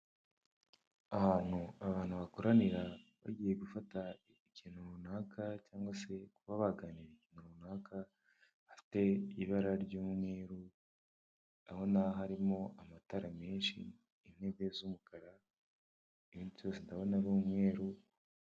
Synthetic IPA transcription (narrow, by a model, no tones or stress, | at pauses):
ahaːn̥uaβaːnhuβakoɾaniɾaβa̰ɟiːje̞ɡufata | icin̥huβunaːkacaːŋɡwase̞kuβaβaɡaniɾiciːnuβunaːka | afi̥te̞iβaɾaɾɟuːmŋe̞ːɾu | aho̞naɦaɾimo̞ʔamataɾameːnʃḭː | n̥he̞ɡezumukaɾa | iβiːntuβjosendaβo̞naɾuːmŋe̞ːɾu